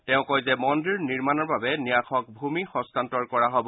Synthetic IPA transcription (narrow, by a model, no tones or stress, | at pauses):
tɛʊ̃kɔjzɛmɔndiɹniɹmanɔɹbabɛnijakʰɔk̚bʱumixɔ̃stantɔɹkɔɹaɦobɔ